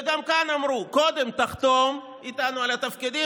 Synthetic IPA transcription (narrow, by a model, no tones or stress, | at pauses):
ɡamkanamɾuko̞d̪e̞mt̪aχt̪o̞m | it̪anualat̪afkid̪i